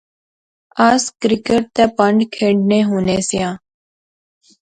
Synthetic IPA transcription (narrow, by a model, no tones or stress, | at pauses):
aːskɾɪkeʈ̚t̪eːpəɳɖkʰeːɳɖnẽːɦoːneːsɪjãː